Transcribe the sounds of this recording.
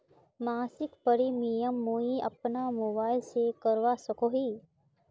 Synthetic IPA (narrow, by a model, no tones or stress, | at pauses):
maːsɪkpəɾimijəmːoːiə̰pnamoːbaːɪlsekəɾʋasəkoːɦiː